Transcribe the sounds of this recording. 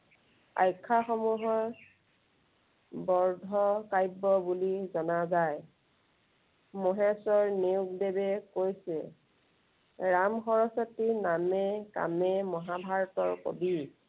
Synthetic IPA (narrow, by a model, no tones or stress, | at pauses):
a̰jkʰːaxɔmuɦɔɹ | bɔɹdʱɔkajbːɔbulizɔnazaj | mɔɦɛsɔɹniʊkbebɛkojsɛ̰ | ɹamxɔɹɔsɔtinamɛka̰mɛmɔɦabʱaɹɔtɔɹko̰bi